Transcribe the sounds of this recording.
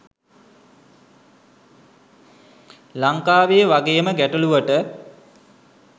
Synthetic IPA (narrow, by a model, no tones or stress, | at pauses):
laŋkaːʋejəʋaɡejəməɡæʈəluʋəʈə